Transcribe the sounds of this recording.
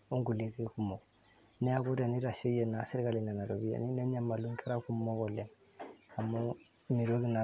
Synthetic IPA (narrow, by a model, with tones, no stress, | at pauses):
o˦ŋɡu˨li˦ki˦ku˦mo˨ | ne˦ja˦ku˦dɛ˨ni˦ɾa˨si˦je˨na˨˦si˦ɾi˦ka˦li˨na˨na˨do˨bi˦a̰˨ni˦ne˦ɲa˦ma˨lũ˦ŋkʰɛ˦ɾa˦ku˦mmo˦ɡɔ˨le˨ | a˨mo˦ | mi˨ɾo˦ɡi˦na˨